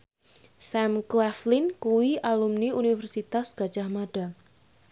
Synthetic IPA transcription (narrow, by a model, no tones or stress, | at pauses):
sɛmklɛflinkuwiʔalumniunifərsit̪asɡ̥a̤̥ʒ̥ahmaɖ̥a̤